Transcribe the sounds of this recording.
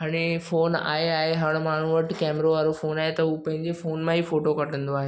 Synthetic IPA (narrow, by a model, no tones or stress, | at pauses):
ɦaːɽ̃efoːna̰ːeaːɦeɦɐɽ̃maːɳ̤uʋəʈkɛːmɾoʋaːɾofoːnaːɦet̪ɐɦupɐ̃ɦɪ̃ɲd͡ʑefoːnmãɦifoːʈokɐʈə̃nd̪oaːɦe